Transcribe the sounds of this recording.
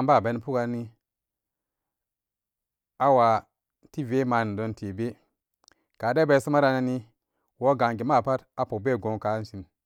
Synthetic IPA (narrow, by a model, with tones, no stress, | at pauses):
a˦mba˦˨be˨˦n˦pu˦ka˨˦ni˦ | a˦wa˨ | ti˦ve˦ma˨ni˨do˦nti˨be˦ | ka˨de˦be˨˦su˦ma˦ɾa˦na˦ni˦ | wo˦ɡa˨ŋɡi˨ma˦˨pa˦ta˦po˨k̚be˦˨ɡo˨ŋ˨ka˨˦si˨m